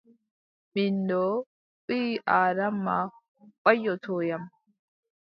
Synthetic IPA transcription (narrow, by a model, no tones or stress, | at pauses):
mindɔ | ʔiːʔaːɾamːa | kʼajːɔtʰɔːjam